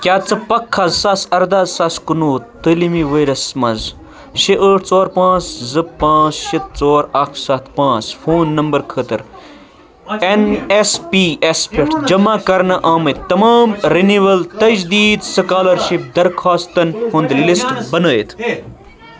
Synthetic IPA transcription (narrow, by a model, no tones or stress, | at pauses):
kʲaːt͡sɨpɐkʰːɐzsɐsɐɾd̪azsɐskunuːt̪əlimiʋɐjɾɐsmɐz | ʃiʔəːʈʰt͡soːɾpãːt͡szɨpãːt͡sʃit̪̚t͡soːɾɐksɐt̪ʰpãːt͡sfʰoːnːɐmbəɾkʰəːt̪ɨɾ | enespiespʰeʈʰd͡ʒɐmakɐɾnɐʔaːmɐt̪t̪ːɐmaːmɾiniʋɐlt̪ɐd͡ʒd̪iːd̪sɐkaːlɐɾʃip̚d̪ɐɾkʰaːst̪ɐnhund̪lisʈbɐnəːjit̪ʰ